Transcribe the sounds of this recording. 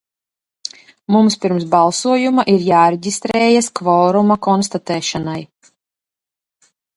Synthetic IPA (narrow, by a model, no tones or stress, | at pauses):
mumspʲiɾms̬balˠsuɔjumaʔiɾjaːɾeɟʲist̪ɾɛːjaskvɔːɾumakɔnst̪at̪ɛːʃanaj